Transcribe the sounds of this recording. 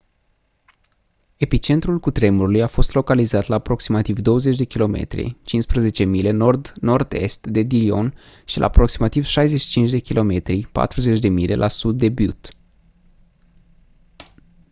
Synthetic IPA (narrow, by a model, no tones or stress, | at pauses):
e̞pit͡ʃe̞nt̪ɾulkut̪ɾe̞muɾulujafo̞st̪lo̞kalizat̪laːpɾo̞ksimat̪ivd̪o̞wəze̞t͡ʃd̪e̞kʲilo̞mḛt̪ɾʲḭt͡ʃinspɾəze̞t͡ʃe̞mile̞nord̪no̞rd̪e̞̰st̪d̪e̞d̪ilio̞̰n | ʃilʔa̰ːpɾo̞ksimat̪iv̥ʃajze̞t͡ʃʃi̥t͡ʃint͡ʃd̪e̞kʲilʔo̞me̞t̪ɾipa̰t̪ɾuze̞t͡ʃʲd̪e̞mile̞̰lʔasud̪ːe̞but̪